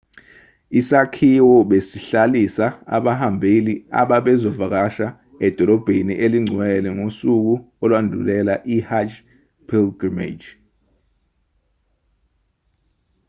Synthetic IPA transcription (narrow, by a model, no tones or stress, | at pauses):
isakʰiwɔɓesiɬalisaa̰ɓahambʱelia̰ɓaɓɛzɔvak̬aʃa | ɛd̥ʱɔlɔb̥ʱeniʔeliŋ͡ǀʱwɛlɛŋosuk̬u | ɔlwandʱulɛlaʔihad͡ʒ | pʰilɡimḛd͡ʒ